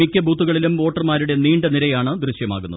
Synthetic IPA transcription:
ikʲːɐbʱuːt̪ːuɣɐɭilumʋo̞ːʈːɐrmaːɾuɽeniːɳɖɐniɾɐjaːɳɨd̪ɾuɕjɐmaːɣunːɐðɨ

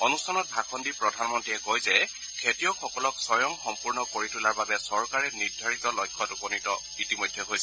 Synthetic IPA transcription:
ɔnustʰanɔt̚bʱakʰɔndipɹɔdʱanmɔntɹiɛkojzɛ | kʰetijɔxɔkɔlɔksɔjɔŋxɔmpuɹnɔkoɹitʰulaɹbabɛsɔɹkaɹɛniɹdʱaɹitɔlɔjkʰːɔtupɔnitɔ | itimojdʱːɛɦojsɛ

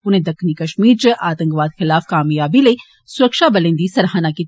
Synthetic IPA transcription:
ʊnẽd̪ɐkʰːnikɐʃmiːɾt͡ʃɐʔaːt̪ɐ̃ŋkʋaːd̪xɪlaːfkaːmjaːbile | sʊɾəkʃabɐlẽnd̪isɐɾɦaːnaki

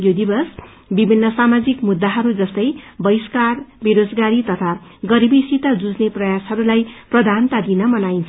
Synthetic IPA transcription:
jod̪ibʌs | bibʱinːʌsamad͡zikmud̪ːaɦʌɾud͡zʌst̪ʌjbʌjskarbiɾod͡zɡaɾit̪ʌt̪ʰaɡʌɾibisit̪ʌd͡zud͡zneprʌjasɦʌɾulajprʌd̪ʱant̪ad̪inʌmʌnajnt͡sʰ

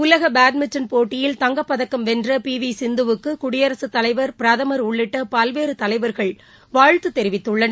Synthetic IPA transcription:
ʊlɐɣɐbaːɖmɪt͡ʃːɐnpoːʈːɪjɪlt̪ɐŋɡɐpːɐðɐkːɐmʋɛndrɐpiːʋisɪnd̪ɯʋɯkːɯkʊɽɪjɐɾɐsɯt̪ːɐlɐɪʋɐɾpɪɾɐðɐmɐɾʊɭːɪʈːɐpɐlʋeːɾɯt̪ɐlɐɪʋɐɾɣɐɭ | ʋaːɻt̪ɯt̪ːɛɾɪʋɪt̪ːɯɭːɐnɐ

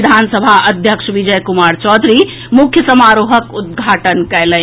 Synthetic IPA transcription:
d̪ʱansəbʱaəd̪ʱjəkʃʋid͡ʒəjkumaɾt͡ʃɔd̪ʱɾi | mukʰjəsəmaɾoɦəkud̪̚ɡʱaʈənkɛlə

